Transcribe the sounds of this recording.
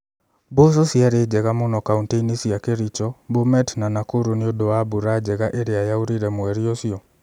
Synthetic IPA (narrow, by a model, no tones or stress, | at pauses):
bos̬osiaɾed͡ʒɛɣamonɔkaunteinisiakeɾit͡ʃɔbomɛtnanakoɾoneodoabuɾad͡ʒɛɣaʔeɾeajauɾiɾɛmwɛɾiosiɔ